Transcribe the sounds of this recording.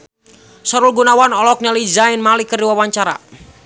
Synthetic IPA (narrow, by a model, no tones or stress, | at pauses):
sɔɾulɡunawanɔlɔk̚nɛlizainmalikərdiwawaɲt͡ʃaɾa̰